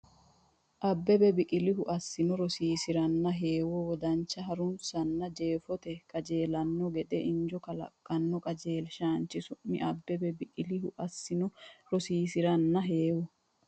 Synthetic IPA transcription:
ʔɐbːɛbɛbɪkʼɪlɪɦʊʔɐsːɪnɔɾɔsiːsɪɾɐnːɐɦe̞ːwɔwɔd̪ɐnt͡ʃːɐɦɐɾʊnsɐnːɐd͡ʒe̞ːfɔt̪ɛkʼɐd͡ʒe̞ːlɐnːɔɡɛd̪ɛʔɪnd͡ʒɔkɐlɐ̰kʼːɐnːɔkʼɐd͡ʒe̞ːlʃaːnt͡ʃːɪsʊʔːɪ̰ʔɐbːɛbɛbɪkʼɪlɪhʊʔɐsːɪnɔɾɔsiːsɪɾɐnːɐɦeːwɔ

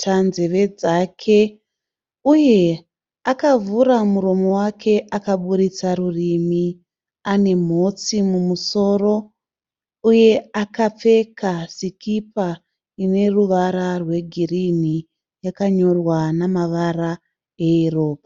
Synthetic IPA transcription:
tʰanzeʋe̞d͡zakʰe̞ | uje̞ | akavuɾamuɾo̞mo̞wakʰe̞ʔakaɓuɾit͡saɾurimi | ane̞m̤o̞t͡simumuso̞ːro̞ | uje̞akap͡fe̞kasikipa | ine̞ruʋaɾarwe̞ɡʱirini | jakaɲo̞rwanamaʋara | e̞iro̞ːpa

